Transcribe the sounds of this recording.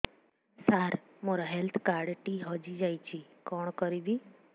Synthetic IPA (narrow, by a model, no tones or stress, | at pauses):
saɾ | moɾaɦɛlt̪ʰkaɾɖʈiɦɔd͡ʒid͡ʒajt͡ɕikɔɳkɔɾibi